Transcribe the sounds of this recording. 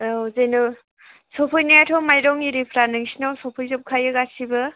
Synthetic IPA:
wzejnɯ | sɔpʰɯjnaatʰɔmajɾɔŋiɾipʰɾanɯŋsinɔwsɔpʰɯjzɔp̚kʰajɯɡasʰibɯ

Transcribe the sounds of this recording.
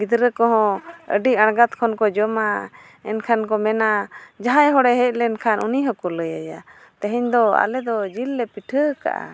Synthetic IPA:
ɡid̪ɾəkɔɦɔ̃ə̰ɖiʔaɽ̃ɡat̪̚kʰɔnkɔd͡ʒɔma | ɛ̰nkʰankɔmɛnad͡ʒaɦajɦɔɽɛɦɛc̚lɛnkʰanʔuniɦɔkɔləja̰ja | t̪ɛɦɛɲd̪ɔa̰lɛd̪ɔd͡ʒilːɛpiʈʰəka̰ʔa̰

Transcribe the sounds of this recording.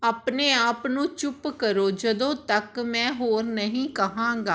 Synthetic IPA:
aːpneːaːpnũːt͡ʃʊpkəɾoːd͡ʒəd̪õːt̪əkmɛ̃ːɦoːɾnəɦĩːkəɦãːŋɡaː

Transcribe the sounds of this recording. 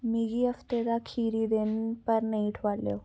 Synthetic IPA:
miɡiəft̪eɾakʰiːɾid̪enpəɾnəiʈʰʋaɽljo̰

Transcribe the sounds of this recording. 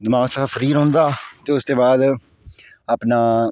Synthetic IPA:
d̪ɪmãːsafəɾiːɾɦõːnd̪aːt̪eːʊst̪eːbaːd̪ | aːpnaː

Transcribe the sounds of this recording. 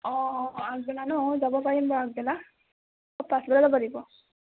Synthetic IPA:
ɔ̃aɡ̚bɛlanɔzabɔpaɹimbɔaɡ̚bɛla | ɔpãsbɛlaɾɔbaɹibɔ

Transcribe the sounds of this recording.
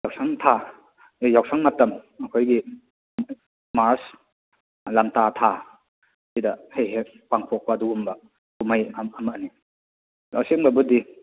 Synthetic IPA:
jawsaŋtʰa | ejaw̚saŋmɐtːɐmɐkʰojɡi | mas | lamtatʰa | sidɐhejɦe | paŋpʰɔk̚paduɡumbɐ | kumajamɐni | asiŋbɐbudi

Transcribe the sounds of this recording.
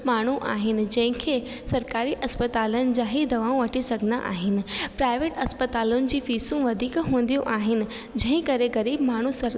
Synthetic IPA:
maːɳ̤uʔa̰ːɦɪnɪ̆d͡ʑɐ̃ɦɪ̃kʰeː | sɐɾkaːɾiʔɐspɐt̪aːlənɪ̆d͡ʑãːɦid̪ɐʋaːõʋɐʈʰisɐɡʱɪna̰ʔa̰ːɦɪnɪ̆pɾaːɪʋeːʈɐspət̪aːlʊnɪ̆d͡ʑiːfiːsũʋɐd̪ʱiːkɦũːn̆d̪ijõʔaːɦɪnɪ̆ | d͡ʑɐ̃ɦɪ̃kɐɾeɣɐɾiːbmaːɳ̤usɐɾ

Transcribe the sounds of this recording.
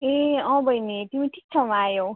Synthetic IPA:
eʌ̃bʌjnet̪imiʈʰi̥k̚t͡sʰʌmajow

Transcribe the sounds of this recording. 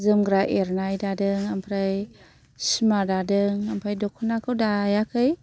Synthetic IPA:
zɯmɡɾaʔeɾnajdadɯŋampʰɾaj | simadadɯŋampʰɾajdokʰɔnakʰɯwdajakʰɯj

